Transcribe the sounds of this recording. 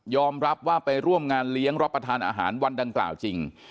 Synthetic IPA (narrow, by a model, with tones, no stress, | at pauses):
jɔː˧mɾa˦˥p̚waː˥˩pa˧jɾu˥˩əmŋaː˧nli˦˥əŋɾa˦˥t̪̚pːɾa˧t̪ʰaː˧nʔa̰ː˧ɦa̰ː˩˦nwa˧nda˧ŋkla̰ː˨˩wt͡ɕi˧ŋ